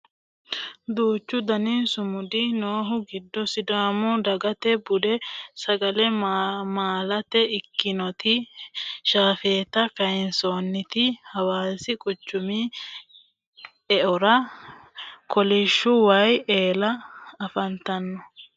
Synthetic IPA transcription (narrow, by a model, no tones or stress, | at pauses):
d̪uːt͡ʃːʊd̪ɐninsʊmʊd̪ɪnoːɦʊɡɪd̪ːɔsɪd̪aːmɔd̪ɐɡɐt̪ɛbʊd̪ɛsɐɡɐlɛmaːlɐt̪ɛɪkːɪnɔt̪ɪ | ʃaːfeːt̪ɐkɐjɪnsoːnːɪt̪ɪhɐwaːsɪkʼɔt͡ʃːʊmi | ɛʔɔɾɐ | kʰɔlɪʃːʊwɐjeːlɐːfɐnt̪ɐnːɔ